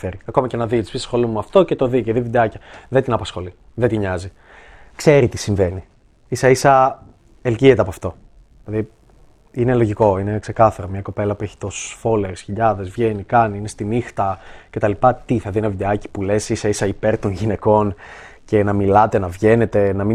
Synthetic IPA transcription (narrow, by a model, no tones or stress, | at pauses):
feɾiɐko̞mɐce̞nɐðit̪ispissxo̞lumuɐft̪o̞cet̪o̞ðiceðivid̪eɐcɐðet̪inɐpɐsxo̞li | ðet̪iɲɐzi | kse̞ɾit̪i̥siɱve̞ni | isɐisɐ | elciet̪eɐpoɐft̪o̞ | ilɐði | inelo̞ʝiko̞ine̞kse̞kɐθɐɾomɲɐko̞pe̞lɐpueçi̥t̪o̞sfo̞le̞ɾsçiʎɐðe̞zvʝe̞nikɐniinest̪inixt̪ɐce̞t̪ɐlipɐt̪iθɐðienɐvid̪e̞ɐci̥pule̞sisɐisɐipe̞ɾt̪o̞nʝine̞ko̞n | ce̞nɐmilɐt̪e̞nɐvʝe̞ne̞t̪e̞nɐmi